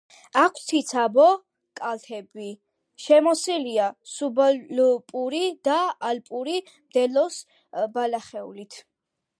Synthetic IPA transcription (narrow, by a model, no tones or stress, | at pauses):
akʷʰsʰit̪sʰabɔ | kʼalt̪ʰɛbi | ʃɛmɔsiliasubalpʼuɾid̪̥aalpʼuɾi | md̪ɛlɔs | balaχɛṵlit̪ʰ